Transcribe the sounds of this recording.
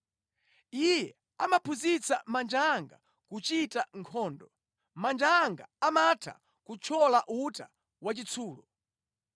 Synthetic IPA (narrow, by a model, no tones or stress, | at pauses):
ijɛ | amapʰuzit͡sa̰mand͡ʒaŋɡa̰ | kut͡ʃitaŋkʰɔːndɔ | mand͡ʒaŋɡa̰amatʰa̰ | kut͡ʃʰɔlaʔuta | wat͡ʃit͡sʰuːlɔ